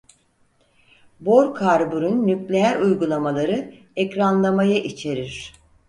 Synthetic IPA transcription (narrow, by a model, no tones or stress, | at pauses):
bo̞ɾkʰaɾbuɾunːyklʲeæɾujɡulˠamalˠaɾɯ | ɛcɾanlˠamajaʔit͡ʃʰe̞ɾiɾ̥